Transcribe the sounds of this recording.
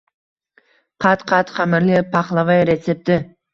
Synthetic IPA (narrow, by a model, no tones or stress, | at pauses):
qʰɑt̪qʰɑt̪qʰæmɪɾlɪpʰɑχlˠɑvɑjɾesep̚t̪ɪ